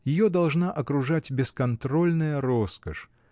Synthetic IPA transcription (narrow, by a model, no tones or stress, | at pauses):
jɪjod̪ɐlˠʐnaʔɐkɾʊʐatʲbʲɪskɐnt̪ɾo̞lʲnɨjəɾoskəʂ